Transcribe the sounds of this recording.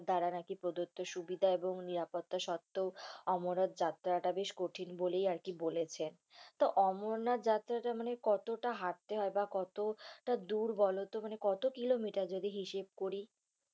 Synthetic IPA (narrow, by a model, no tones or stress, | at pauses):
d̪aɾanakipɾod̪ot̪ːoʃubid̪ʱaeboŋniɾapot̪ːaʃɔt̪ːoɔmonad̪̚d͡ʑat̪ːɾaʈabeʃkoʈʰinbolejaɾkibolet͡ɕʰen | t̪oʔɔmoɾnad̪d͡ʑat̪ːɾaʈamanekɔt̪oʈaɦaʈ̚t̪eɦɔebakɔt̪oʈad̪uɾbɔlot̪omanekɔt̪okilomiʈaɾd͡ʑod̪iɦiʃeb̚koɾi